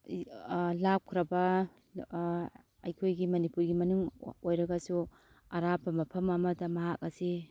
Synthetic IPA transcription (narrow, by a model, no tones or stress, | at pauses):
lap̚kʰɾɐbɐ | ɐjkʰojɡimɐnipuɾɡimɐnuŋojɾɐɡɐsu | aɾapːɐmɐpʰɐmɐmɐdɐmɐɦak̚ɐsi